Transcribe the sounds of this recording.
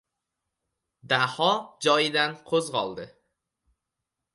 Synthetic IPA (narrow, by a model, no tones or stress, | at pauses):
d̪ahɒd͡ʒɒjɪd̪anqʰozʁɒlˠd̪ɪ